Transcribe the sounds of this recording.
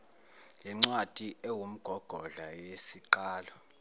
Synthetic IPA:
jɛŋ͡ǀwad̥ʱʼiewum̩ɡ̥ʱɔɡ̥ʱɔɮajesiǃaːlɔ

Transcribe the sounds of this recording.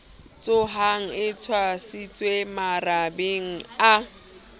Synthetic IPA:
t͡sʼʊɦaŋ̩ɪt͡sʰwasit͡sʼwemarabeŋ̩a

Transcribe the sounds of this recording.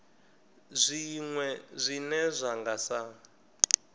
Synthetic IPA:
zʷiŋwɛzʷinɛzʷaŋɡasa

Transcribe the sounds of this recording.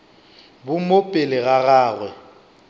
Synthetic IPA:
bʊmopʼɪlɪɣaɣaːɣwɛ

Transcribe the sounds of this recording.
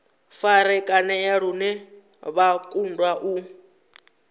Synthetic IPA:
faɾɛkʼanɛjaɺunɛ | βakʼundwaʔu

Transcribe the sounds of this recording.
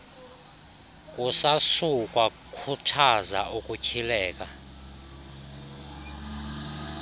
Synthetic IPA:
kʼusasuk̬ʼwa | kʰutʰaza̰ʔukʼucʰilɛːk̬ʼa

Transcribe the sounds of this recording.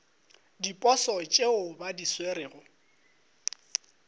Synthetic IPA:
dipʼɔsɔt͡ʃʼeʊbadisweɾɪːɣʊ

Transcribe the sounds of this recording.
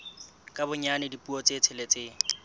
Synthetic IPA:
kʼabʊɲanɪdipʼuɔt͡set͡sʰɪlet͡sʼɪː

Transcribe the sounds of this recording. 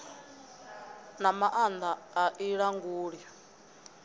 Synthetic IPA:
namaʔand̪aːʔiɺaŋɡuːɺja

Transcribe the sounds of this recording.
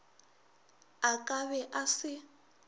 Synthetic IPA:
akʼaβɛʔasɪ

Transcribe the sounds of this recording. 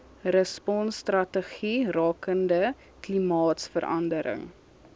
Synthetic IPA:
rəspɔnstrɐtəχirɑːkəndə | klimɑːtsfəɾɐ̰ndəɾə̰ŋ

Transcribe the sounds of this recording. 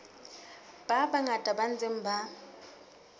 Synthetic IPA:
b̥abaŋatʼaban̩d͡zʼeŋ̩ba

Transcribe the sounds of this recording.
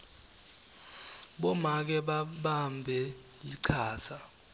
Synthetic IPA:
ɓɔmak̬ɛɓaɓambʱɛ | jiǀʰaːsa

